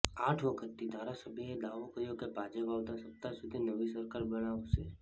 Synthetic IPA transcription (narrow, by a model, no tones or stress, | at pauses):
aːʈʰʋokət̪id̪ʱaːɾasəbʱied̪aːʋokəɾijõkepaːd͡ʒeʋawd̪asəp̚t̪asʊd̪ʱinəʋisəɾkaːɾbəɽ̃aose